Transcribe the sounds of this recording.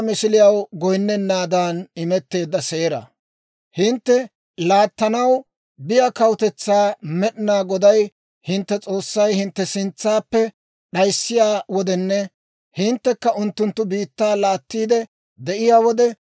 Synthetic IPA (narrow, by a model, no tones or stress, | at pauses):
mɪsɪlɪjɐwɡɔjnːɛnːaːd̪aːnɪmɛt̪ːe̞ːd̪ːɐseːɾɐ̰ | hɪnt̪ːɛ | laːt̪ːɐnɐw | bɪjakɐwt̪ɛt͡sːaːmɛɗɪnaːɡɔd̪ɐj | hɪnt̪ːɛt͡sʼo̞ːsːɐjhɪnt̪ːɛsɪnt͡sːaːpːɛ | ɗɐjsːɪjaːwɔd̪ɛnːɛ | hɪnt̪ːɛkːɐʔʊnt̪ːʊnt̪ːʊbiːt̪ːaːlaːt̪ːiːd̪ɛ | d̪ɛʔɪjaːwɔd̪ɛ